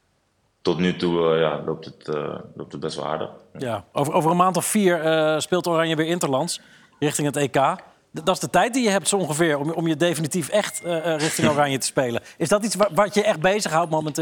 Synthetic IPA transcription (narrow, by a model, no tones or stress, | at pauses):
tɔtnytuja̰lo̰wp̚tətlo̰wp̚təd̚bɛstʋ̰lˠha̰ːɹdə̰χjaːʔowvəowvərənmaːntɔffiːɹəspɪːlˠtoːrɑnjəʋɪːɹɪntəɹlɑnts | rɪχtɪŋɦətejkaː | ddɑtzdətɛjt̚dijəɦɛp̚tsoɔŋχəvɪːɹɔmɔmjədejfənitifɛχtərɪχtɪŋorɑnjətə̥spejləɪzdɑtitsʋaʋaəɛχd̚bejzəχɦawt̚momɛnt